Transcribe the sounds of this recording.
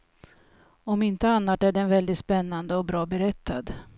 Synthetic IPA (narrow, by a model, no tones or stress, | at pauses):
ɔmɪnt̪əanːaʈæɖɛnvɛld̪ɪt̪spɛnːand̪əɔbɾɑːbɛɾɛt̪ʰːad̪